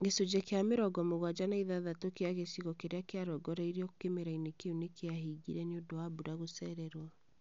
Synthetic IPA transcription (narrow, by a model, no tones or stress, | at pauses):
ɡesod͡ʑɛkeameɾɔɡɔmoɣwad͡ʑanaiðaðatokeaɣesiɣɔkeɾeakeaɾɔɡɔɾaiɾiɔkemeɾainekeunekeaɦiɣḭɾɛneondowabuɾaɣosɛɾɛɾwa